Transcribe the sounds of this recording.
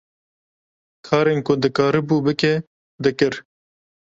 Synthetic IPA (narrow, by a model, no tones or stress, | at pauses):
kʰɑːɾeːnkʊd̪ɨkɑːɾɨbuːbɨke | d̪ɨkɨɾ